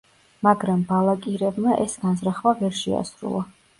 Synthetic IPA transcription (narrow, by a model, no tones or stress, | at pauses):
maɡɾambalˠakʼiɾɛbmaʔɛsɡanzɾaχvavɛɾʃɛ̰a̰sɾṵlˠa